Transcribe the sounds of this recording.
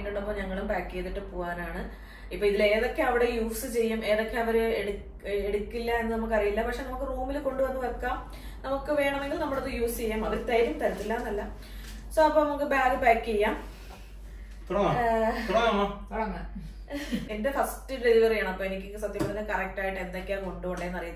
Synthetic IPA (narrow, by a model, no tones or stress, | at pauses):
inːuɳɖɐpːoːɲɐŋːɐɭumbaːkːiejt̪ːiʈːɨpoːɣaːnaːɳɨ | ipːoːiðile̞ːðo̞kːe̞ɐʋiɽe̞juːfsɨt͡ɕe̞jːume̞ːðo̞kːe̞ɐʋɐɾueɽ | eɽukːilːɐenːɨnɐmukːɨɐrijilːɐpɐkʂenɐmukːɨroːmilko̞ɳɖɨʋɐnːɨʋɐkːaːm | nɐmukːɨʋe̞ːɳɐme̞ŋɡilnɐmːuɽɐðɨjuːst͡ɕe̞jaːmɐðilt̪ɐjɐɾumt̪ɐɾɐt̪ːilːaːnɐlːɐ | soːɐpːoːnɐmukːɨbaːɡɨbaːkːt͡ɕejːaːm | t̪oɽɐtoɽɐamːaɐɽɐŋ | ende̞fɐstɨɖeliʋɐrijaːɳɨɐpːoːenikʲːisɐt̪jɐmːɐɾɐnːɐkɐrɐk̚ʈaːjiʈːe̞nd̪okʲːaːŋko̞ɳɖɨɣoɳɖeːnːɐrijunː